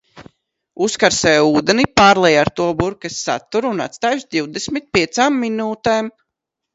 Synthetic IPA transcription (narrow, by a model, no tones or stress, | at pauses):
uskaɾsɛjuːd̪ɛnipaːɾlˠɛjaɾt̪uɔbuɾkɛsːa̰t̪ːuɾuːna̰t̪st̪aːjʃd̪iwd̪esmit̪̚pʲiɛt̪saːmːinuːt̪ɛːm